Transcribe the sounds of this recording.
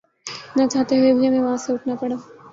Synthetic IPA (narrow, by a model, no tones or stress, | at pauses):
nat͡ʃaːt̪eɦuebiemɛ̃ʋɐɦãseʊʈʰnapɐɽa